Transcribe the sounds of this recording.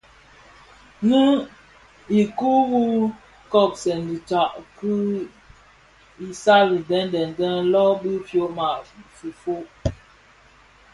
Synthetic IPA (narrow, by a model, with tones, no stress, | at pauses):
nɨ˦ | i˨ku˦wu˦ | kɔ˨k̚sɛ˨ndi˨ta˨ʔkɨ˦ | i˨sa˦li˨dɛ˦ndɛ˨n˨dɛ˦nlɔ˦bi˦fjo˦ma˨fi˨fo˦ʔ